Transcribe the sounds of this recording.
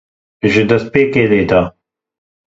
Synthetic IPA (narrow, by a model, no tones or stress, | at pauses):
ʒid̪ɐspeːkeːleːd̪aː